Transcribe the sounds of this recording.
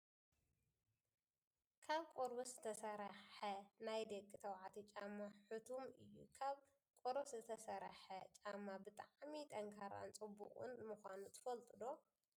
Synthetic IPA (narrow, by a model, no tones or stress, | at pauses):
kʰaβkʼoɾbɐszɨt̪ʰɐsɐɾɐħɐnajd̪ɐkʼːɨt̪ʰɐwʕat̪ʰit͡ʃʼamːaħɨt̪ʰumɨjːṵkʰaβ | kʼoɾoszɨt̪ʰɐsɐɾɐħɐt͡ʃʼamːabɨt̪ʼaʕmit̪ʰʼɐŋkʰaɾa̰nt͡sʼɨbːṵkʼṵnmɨxʷanut̪ʰɨ̥fɐlt̪ʼɨd̪o̞